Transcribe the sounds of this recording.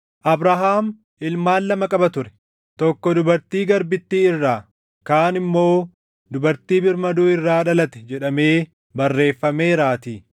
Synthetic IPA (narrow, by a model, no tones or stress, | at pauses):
ʔɐbɾɐɦaːm | ʔɪlmaːlːɐmɐkʼɐbɐt̪ʊɾɛ̥ | t̪ɔkːɔd̪ʊbɐɾt̪iːɡɐɾbɪt̪ːiːɪrːaː | kaːnɪmːo̞ː | d̪ʊbɐɾt̪iːbɪɾmɐd̪uːɪrːaːᶑɐlɐt̪ɛ̥d͡ʒɛᶑɐme̞ː | bɐrːe̞ːfːɐme̞ːɾaːt̪iː